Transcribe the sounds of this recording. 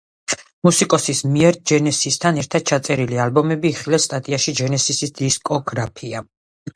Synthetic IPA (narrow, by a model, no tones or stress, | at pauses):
musikʼɔsismiɛɾd͡ʒɛnɛsist̪ʰanɛɾt̪ʰad̪̥̚t͡ʃʰat̪sʼɛɾilialbɔmɛbiːχilɛst̪ʼat̪ʼiaʃid͡ʒɛnɛsisisd̪̥iskʼɔɡɾapʰia